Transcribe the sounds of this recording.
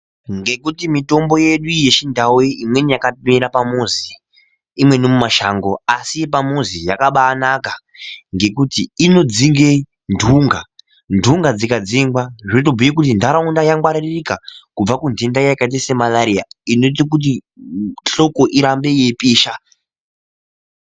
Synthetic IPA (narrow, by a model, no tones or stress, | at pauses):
ŋɡe̞kutimito̞mbo̞je̞ɗuje̞ʃindaweimwenijakamiɾapamuzi | imwe̞nomumaʃaːŋɡo̞asipamuzijakaɓaːnaka | ŋɡe̞kutiino̞d͡ziŋɡe | ndʱuŋɡa | ndʱuŋɡad͡zikad͡ziŋɡwaʐit̬obʱujik̬ut̬indaɾaundajaŋɡwaɾiririkakub͡vakundendajakait̬ese̞malaɾija̰inot̬ikut̬i | ɬo̞ko̞ʔiɾambe̞je̞piːʃa